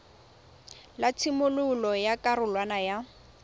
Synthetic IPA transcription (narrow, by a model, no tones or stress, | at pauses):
lat͡sʰimʊlʊlɔjakʼarʊlwanaja